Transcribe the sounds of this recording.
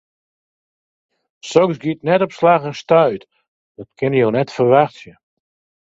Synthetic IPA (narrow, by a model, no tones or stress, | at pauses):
sɔŋsɡitnɛtɔpslaxənstœɥt | d̥ɔtkʰɪnjownɛtfərʋaχsjə